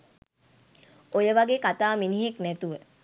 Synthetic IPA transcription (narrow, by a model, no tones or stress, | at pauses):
ojəʋaɡeːkat̪aːminiɦeknæt̪uʋə